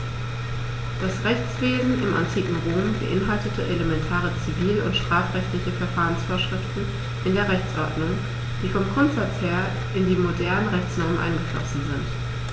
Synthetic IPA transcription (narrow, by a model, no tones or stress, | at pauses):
d̥asʁɛçt͡sv̥eːzn̩ʔɪmʔa̰ntʰiːkŋ̩ʁoːmbə̰ʔɪnɦaltətʰəʔeləmɛntʰaːʁət͡siviːlʊ̰ntʃtʁ̥aːfʁ̥ɛçtlɪçəfɛɐfaːʁənsfoːɐʃʁ̥ɪftn̩ | ʔɪndeːɐʁɛçt͡sʔɔɐdnʊŋ | d̥iːfɔmɡʁʊntz̥at͡sheːɐ | ʔɪndiːmodɛɐnənʁɛçt͡snɔɐmənʔa̰ɪnɡəflɔ̰sn̩zɪnt